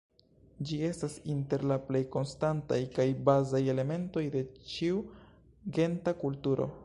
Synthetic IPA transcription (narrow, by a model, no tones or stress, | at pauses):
d͡ʒie̞stasinte̞ɾlaple̞jko̞nstantajkajbazaje̞le̞me̞nto̞jde̞t͡ʃiu | ɡe̞ntakultuɾo̞̰